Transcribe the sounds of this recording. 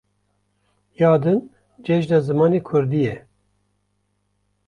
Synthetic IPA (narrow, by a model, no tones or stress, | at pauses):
jɑːd̪ɨn | d͡ʒɛʒd̪ɑzɨmɑːneːkʰʊɾd̪ijɛ